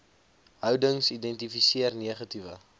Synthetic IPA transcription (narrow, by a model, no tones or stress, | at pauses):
ɦœwdəŋsidɛntifisiərniəχɐtivə̰